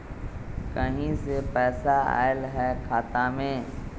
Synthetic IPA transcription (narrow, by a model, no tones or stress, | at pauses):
kəɦĩsepɛːsaa̰ːɪlɦɛkʰaːt̪amẽː